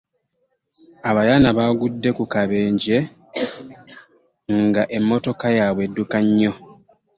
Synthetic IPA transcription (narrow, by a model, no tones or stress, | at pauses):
aβajanaβaɡudːe̞kukaβe̞ːɲɟe̞ | ŋɡaʔe̞mːo̞to̞kajaːβwe̞dːukaɲːo̞